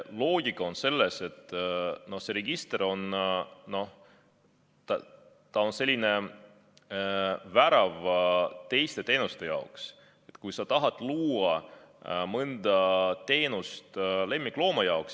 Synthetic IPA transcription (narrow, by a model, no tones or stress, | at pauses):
lo̞ːɡ̥ikːˑɑo̞nse̞lːese̞t̪ːˑno̞hse̞ɾeɡ̥ist̪eɾo̞nno̞h | t̪ɑ | t̪ɑo̞nse̞lʲːine̞ | væɾɑvt̪e̞jst̪e̞t̪e̞ːnust̪e̞jɑ̰oks | e̞t̪kujsɑt̪ɑɦɑt̪ːˑluːɑ | mɤnd̪̥ɑt̪e̞ːnust̪le̞mːikːlo̞ːmɑjɑoks